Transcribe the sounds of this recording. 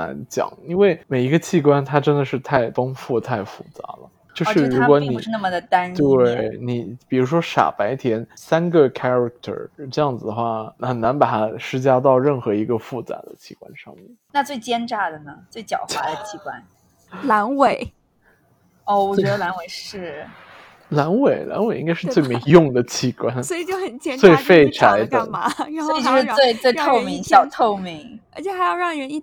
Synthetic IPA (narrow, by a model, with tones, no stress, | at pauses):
a̰˧˥nt͡ɕjɑ̰˨˩˦ŋi˥nwe˥˩ɪme˨˩ɪi˧˥ɡə˧t͡ɕʰi˥˩kwa˥nt̪ʰa˥ʈ͡ʂə˥nd̪ə˨ʂɻ̩˥˧t̪ʰa˥˩ɪfɑ˥ŋfu˥˩t̪ʰa˥˩ɪfu˥˩t͡sa̰˧˥lə̰˧ | t͡ɕjo˥˧˥ʂɻ̩˥˧˩ɻu˧˥kwɔ˧˥ni˨˧˩ɻ̩˥˧na˥˩mə˩d̪ə˩t̪a˥ne˥˩ɪni˨˩pi˨˩u˧˥ʂwɔ˥ʂa̰˨˩pa˧˥ɪt̪ʰjɛ˧˥nsa˥nɡə˨kʰa˥ɹa˧˩k̚t̪ʰə̰˨˩ʈ͡ʂɤ˥˧jɑ˥˩ŋd͡zɹ̩˩d̪ə˩xwa˥˩xə˨˩nna˧˥npa˨˩t̪ʰa˥ʂɻ̩˥t͡ɕja˥t̪ɑ˥˧ʊɻə˥˩nxɤ˧˥i˧˥ɡə˧fu˥˩t͡sa̰˧˩d̪ə̰˦t͡ɕʰi˥˩kwa̰˧˥nʂɑ̰˥˧ŋmjɛ̰˥˩nna˥˧t͡swe˥˩ɪt͡ɕjɛ˥nʈ͡ʂa˥˩d̪ə˩nə˩t͡swe˥˩ɪt͡ɕjɑ̰˨˩ʊxwa˧˥d̪ə˧t͡ɕʰi˧˥kwa̰˥n | la˧˥nwe˨˩ɪ | ɔ˥˩wɔ˨˩t͡ɕɥɛ˧˥d̪ə˧la˧˥nwe˨˩ɪʂɻ̩˥˩ | la˧˥nwe˨˩ɪla̰˧˥nwe˨˩i˥ŋka˥ɪʂɻ̩˥˧˥t͡swe˥˩ɪme˧˥jʊ˥˩ŋd̪ə˩t͡ɕʰi˧˩kwa˥nswɔ˧˥i˨˩t͡ɕjo˥˩ʊxə˨˩nt͡ɕjɛ˥˩t͡swe˥˧ɪfe˥˩ɪʈ͡ʂʰa˧˥ɪd̪ə̰˧˩˧sɔ˧˥i˨˩t͡ɕjo˥˧ʊʂɻ̩˥we˥˧ɪt͡swe˥˧ɪt̪ʰo˥˩mi˧˥ŋɕjɑ˥˩ʊt̪ʰo˥˩ʊmi˧˥ŋə˞˧˥t͡ɕʰjɛ˧˥˩xa˧˥ɪjɑ˥˧ʊɻɑ˥˩ŋ˨˧ə˧˥i˥˧